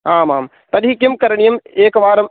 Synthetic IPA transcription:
aːmaːm | t̪ɐlɦikjɐmkɐɾɐɳijɐmeːkɐʋaːɾɐm

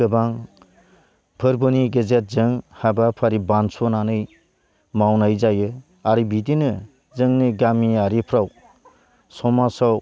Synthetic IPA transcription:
ɯbaŋ | pʰɯɾbɯniɡezet̚zɯŋhabapʰaɾibansɔnanɯj | mawnajzajɯ | aɾibidinɯ | zɯŋnɯɡamiaɾipʰɾaw | sɔmasaw

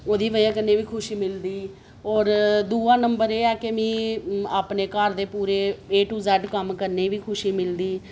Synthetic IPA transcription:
oːd̪iːʋəaːkənːeːʋiːkʰʊʃiːmɪld̪iː | ɔːɾd̪uːãːnəmbəɾeːɛːkemĩːaːpneːkəɾd̪eːpuːɾeːeːʈuːzɛːɖkəmkəɾneːʋiːkʰʊʃiːmɪld̪iː

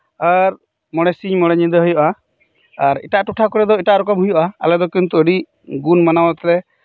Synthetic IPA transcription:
aɾ | mɔɽɛsiɲmɔɽɛɲid̪əɦujɔʔa | aɾḭʈaʔʈuʈʰakɔɾɛd̪ɔiʈaʔɾɔkɔmɦujɔʔaa̰lɛd̪ɔkint̪uəɖi | ɡunmanawat̪ɾɛ

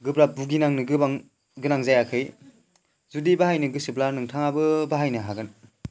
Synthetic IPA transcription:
ɡɯbɾabuɡinaŋnɯɡɯbaŋ | ɡɯnaŋzajakʰɯj | zudibaɦajnɯɡɯsɯplanɯŋtʰaŋabɯbaɦajnɯɦaɡɯn

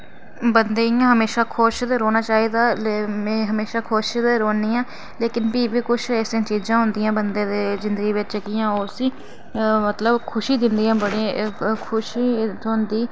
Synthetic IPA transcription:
bənd̪eiãːɦəmeːʃaːkʰoʃd̪eːɾoːnaːt͡ʃaːiːd̪aːlemɛ̃ːɦəmeːʃaːkʰoːʃd̪eːɾoːniːãː | leːkɪnpiːbiːkʊt͡ʃʰɛːsĩãːt͡ʃiːzãːɦʊnd̪ɪjãːbənd̪eːd̪eːzɪnd̪əɡiːʋɪt͡ʃd͡ʒəɡijãːoːɾsiː | mət̪ləbkʰʊʃiːd̪ɪnd̪ijãːbəɽeːkʰʊʃiːt̪oʊnd̪iː

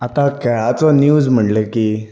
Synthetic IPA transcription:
at̪ãkajat͡sɔnjuːd͡zm̤əʈlekiː

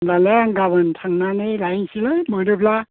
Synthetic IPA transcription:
lalaŋɡabɯntʰaŋnanɯlajŋsilɯmɯɾɯpla

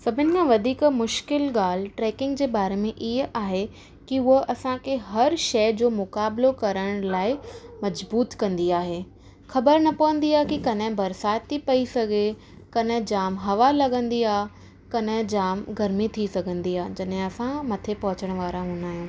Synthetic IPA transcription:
sɐbʱɪnɪ̆kʰãʋɐd̪ʱiːkmʊʃkɪlɠaːl̤ʈɾeːkɪ̃ŋɡ̚d͡ʑeːbaːɾemẽʔiɦʔaːɦe | kiʊɦəʔɐsãkʰeɦɐɾʃɐɪd͡ʑoːmʊkaːblokɐɾəɽ̃laːɪmɐd͡ʑbuːt̪kɐ̃nd̪iaːɦeː | xɐbəɾnɐpɐʋə̃nd̪iaːɦekikɐnɦɪ̃bɐɾsaːt̪ʰːipɐisɐɡʱe | kɐnɦd͡ʑaːmɦɐʋalɐɡə̃nd̪iaːɦ | kɐnɦɪ̃d͡ʑaːmɡʱɐɾmit̪ʰisɐɡʱə̃nd̪iaːɦd͡ʑɐɗɦẽɐsãmɐt̪ʰepɐɦʊt͡ɕəɽ̃ʋaːɾãɦũnaːɦjũː

